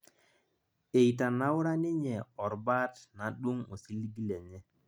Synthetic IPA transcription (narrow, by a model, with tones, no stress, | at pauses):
e˨i˨ta˨na˦wʊ˦ɾa˦nɪ˦ɲɛ˨ɔ˨ɾba˦tna˨ɗu˦ŋo˨si˦li˦ɡi˦le˨ɲɛ˦